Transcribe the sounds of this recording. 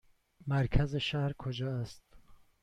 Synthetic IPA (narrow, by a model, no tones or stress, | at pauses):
mæɾkʲʰæzeʃæhɾkʰod͡ʒɒːæst̪̚